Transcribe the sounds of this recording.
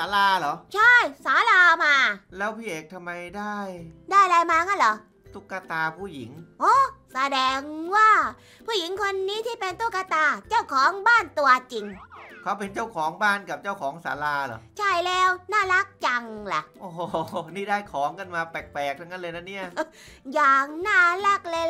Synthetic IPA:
saː˨˦laː˧lɔ˨˦t͡ɕʰa˥˩jsaː˨˦laː˧maː˧lɛː˦˥wpʰiː˥˩ʔeː˨˩k̚t̪ʰa˧mːa˧jdaː˥˩jdaː˥˩jlaː˧jmaː˧ŋa˦˥˩nlɔ˨˦ | t̪u˦˥˩kːaː˧t̪aː˧pʰuː˥˩ji˩˦ŋʔoː˧˥˩sa˧dɛː˧ŋwaː˥˩ | pʰuː˥˩ji˩˦ŋkʰo˧nːiː˦˥t̪ʰiː˥˩pe˧nt̪u˧˥˩kːa˧t̪aː˧t͡ɕaː˥˩wkʰɔː˨˦ŋbaː˥˩nt̪u˧ɐt͡ɕi˧ŋkʰa˦˥wpe˧nt͡ɕa˥˩wkʰɔː˩˦ŋbaː˥˩nka˨˩p̚t͡ɕaː˥˩wkʰɔː˩˦ŋsa̰ː˩˦laː˧lɔ̰˨˦t͡ɕʰa˥˩jlɛː˦˥wnaː˥˩la˦˥k̚t͡ɕa˧ŋla̰˨˩ʔʔoː˨˧˩hniː˥˩daː˥˩jkʰɔː˩˦ŋka˧˩nmaː˧pɛː˨˩k̚pɛː˨˩k̚t̪ʰa˧˥˩ŋːa˦˥nlɤː˧jna˦˥ni˥˩ɐ | jaː˨˩k̚naː˥˩la˦˥˩k̚lɤː˧

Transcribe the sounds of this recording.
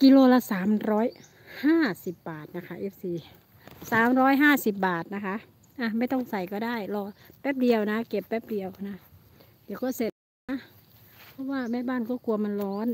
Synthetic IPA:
ki˧loː˧˩la˧saː˨˩˦mɾɔː˦˥j | haː˥˩si˨˩p̚baː˨˩t̪̚na˦˧˥kʰa˦˥ʔeː˦˧˩p̚siː˨˧˩ | saː˨˦mɾɔː˦˥jɦaː˥˩si˨˩p̚baː˨˩t̪̚na˦˧kʰa˦˥ʔ | ʔa˧ma˧˩jt̪ɔ˧˩ŋsa˨˩jkɔː˧˩daː˥˩jlɔː˧˩bɛː˦˧˥p̚di˧əwna˦˥ke˨˩p̚bɛː˦˥˩p̚di˧əwna˧˥ | di˨˧˩wkɔː˧˥˩se˨˧˩t̪̚ | na˧˥pʰɔ˧˥waː˧˥˩ma˧˥˩jbaː˧˥˩nkɔː˧˥˩ku˧ɐma˧˥nlɔː˧˥˨n

